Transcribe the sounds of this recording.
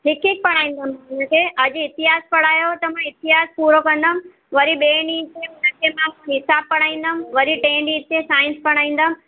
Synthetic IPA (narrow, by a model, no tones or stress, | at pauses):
ɦɪkik̚pɐɽ̃aːĩːn̆d̪əmãɦʊnəkʰeʔɐd͡ʑɪt̪ɪɦaːspɐɽ̤aːjot̪ɐm̤ãɪt̪ɪɦaːspuːɾokɐ̃nd̪əm̆ | ʋɐɾiɓeːniːt͡ɕʰeʊnəkʰemãɦũɦɪsaːb̚pɐɽ̃aːĩːnd̪əm̆ʋɐɾiʈẽːɳɖĩt͡ɕesaːɪ̃nspɐɽ̃aːĩːn̆d̪əm̆